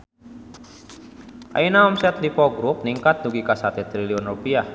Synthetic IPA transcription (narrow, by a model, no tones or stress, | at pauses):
ʔa̰inaɔmsɛt̪lipɔɡɾup̚niŋkat̪̚duɡikasat̪ɛt̪ɾiliɔnrupia